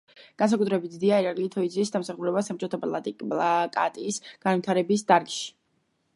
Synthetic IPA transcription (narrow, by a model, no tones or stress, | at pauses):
ɡ̥ans̬akʼut̪ʰɾɛbit̪d̪iaiɾaɾɡlit̪ʰɔid̪zisd̪amsaχuɾɛbasap̚t͡ʃʼɔt̪ʰapʼlˠa̰t̪ʼikʼblˠakʼa̰t̪ʼiːsɡ̥anvit̪ʰaɾɛbisd̪aɾɡʃi̥